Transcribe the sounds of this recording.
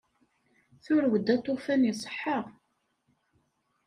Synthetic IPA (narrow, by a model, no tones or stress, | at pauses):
θʊɾwəd̪æt̪ˤːofænjisˤə̥ħːəʁ